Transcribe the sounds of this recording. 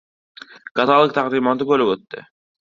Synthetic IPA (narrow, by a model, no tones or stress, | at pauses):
kɑt̪ɑlˠɯq̚t̪ʰɑqd̪imɑnd̪ubølypøt̪ːɪ̰